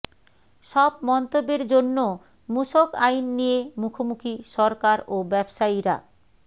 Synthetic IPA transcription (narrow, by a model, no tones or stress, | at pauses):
ʃɔbmɔnt̪obːeɾd͡ʑonːo | muʃokajnːijemukʰomukʰiʃɔɾkaɾobɛbʃaiɾa̰